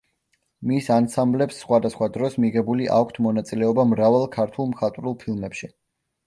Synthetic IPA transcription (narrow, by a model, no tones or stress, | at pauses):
misansamblɛpsːχwad̪asχwad̪ɾɔsmiʁɛbuliʔa̰kʷʰt̪ʰmɔnat̪sʼilɛɔbamɾavalˠkʰaɾt̪ʰulˠmχat̪ʼɾulˠpʰilˠmɛpʃi